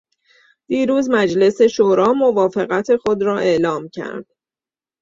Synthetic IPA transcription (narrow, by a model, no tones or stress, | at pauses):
d̪̥iːɾuːzmæd͡ʒle̞se̞ʃoɾɒːmo̞vɒːfe̞ɣæt̪ʰe̞xo̞d̪ɾɒːʔe̞ʔlɒːmcʰæ̰ɾd̪̥